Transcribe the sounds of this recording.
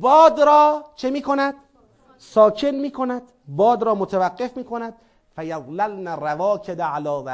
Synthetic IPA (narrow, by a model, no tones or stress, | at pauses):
bɒːd̪ɾɒːt͡ʃʰemiːkʰo̞næd̪ | sɒːkʰe̞nmiːkʰo̞næd̪ | bɒːd̪ɾɒːmot̪ʰevæɡːe̞fmiːkʰo̞næd̪̥̚ | fæjaðlælnærævɒːkʰed̪ʕalɒːvæ